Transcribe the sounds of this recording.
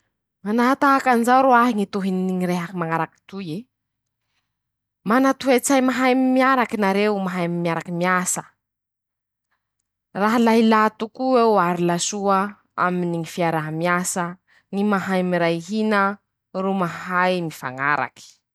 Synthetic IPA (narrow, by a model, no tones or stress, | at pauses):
manaɦat̪aakanizawɾuaɦiŋit̪uɦininiŋiɾeɦakimaŋaɾaki̥t̪uje | manat̪uat͡sajmaɦajmimiaɾakinaɾemaɦajmimiaɾakimiasə | raɦalaɦilat̪ukuewaɾilasuə | a̰miniŋifiaɾaɦamiasə | ŋimaɦajmiɾajɦinə | rumahajmifa̰ŋa̰ɾa̰ki̥